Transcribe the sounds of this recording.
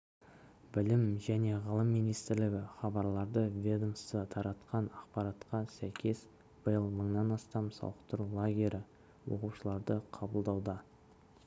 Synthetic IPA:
bɪlɪmʒæne̞ʁəlˠəmːinijst̪ɪɾlɪɡʲɪχɑbɑɾlˠɑɾd̪əvʲed̪unst̪ət̪ʰɑɾɑt̪qɑnɑqpɑɾɑt̪qɑsæjkʲe̞s | b̥əjəlˠməɴnɑnɑst̪ɑmsɑ̰w̪ˠəqt̪əɾlˠoɡʲe̞ɾʔɪ | wo̞̰quʃəlˠɑɾd̪əqʰɑbəlˠd̪ɑwd̪ɑ

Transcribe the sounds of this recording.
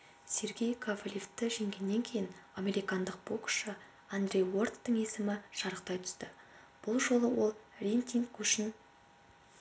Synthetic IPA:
se̞ɾɡʲe̞jkʰavlʲift̪ːɪʒe̞ŋɡʲe̞nːe̞ŋkʲʰe̞jɪname̞ɾijkand̪əq̚b̥okʊ̥ʃə | and̪rʲe̞jwo̞rt̪ːəɴe̞sɪmɪʒ̥ɑɾəq̚t̪ɑjt̪ʰʏ̥st̪ɪ | b̥ʊlˠʒo̞lˠəwo̞lˠrʲent̪ʲiŋkʏʃɪn

